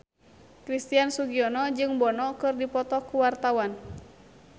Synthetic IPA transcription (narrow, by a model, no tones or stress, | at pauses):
kɾist̪iansuɡiɔnɔd͡ʒɨŋbɔnɔkɨrdipɔt̪ɔkuwart̪awan